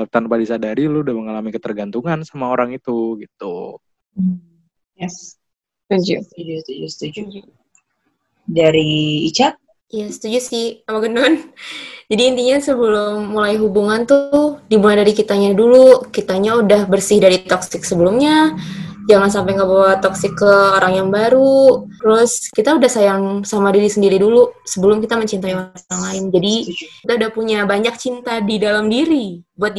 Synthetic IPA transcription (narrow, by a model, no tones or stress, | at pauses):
t̪anpadisadaɾilʊudahməŋalamikət̪ərɡant̪uŋansamaoɾaŋit̪uɡit̪u | jɛs | ud͡ʒud͡ʒust̪ud͡ʒust̪ud͡ʒu | daɾiːt͡ʃat̚ | jasə̥t̪ud͡ʒusɪhamaɡənʊnd͡ʒadiːnt̪iɲasəbəlʊmːulaiɦubuŋant̪uʊhdibuadaɾikit̪aɲadulukit̪aɲaudahbərsɪhdaɾit̪ɔksɪksəbəlʊmɲa | d͡ʒaŋans̬ampajŋɡabawat̪ɔksɪkːəoɾaŋjaŋbaɾut̪əɾʊskit̪audahsajaŋsamadiɾisəndiɾidulusəbəlʊmkit̪aməɲt͡ʃint̪aiwarsaŋlaɪnd͡ʒadiit̪audahpuɲabaɲak̚t͡ʃint̪adidalamdiɾibuat̪̚